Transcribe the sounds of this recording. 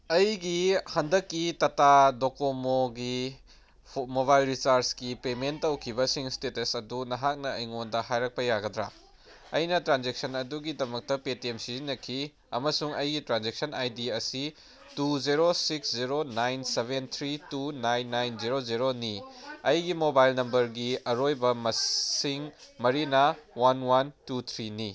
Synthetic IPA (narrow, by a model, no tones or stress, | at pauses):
ɐjɡihɐndɐkːitɐtadokomoɡi | moβajlɾisaɾskipementːɐwkʰibɐsiŋstetɐsɐdunɐɦak̚nɐɐjŋondɐɦajɾɐk̚pɐjaɡɐdɾa̰ | ɐjnɐtɾanzek̚sɐnɐduɡidɐmɐk̚tɐpetiemsizinːɐkʰi | ɐ̰mɐsuŋɐjɡitɾanzek̚sɐnajdiɐsi | tuziɾosiksziɾonajnsebʱent̪ʰɾitunajnːajnziɾoziɾoniɐjɡimobajlnɐmbɐɾɡiɐɾojbɐmɐsiŋmɐɾinɐwanwantut̪ʰɾini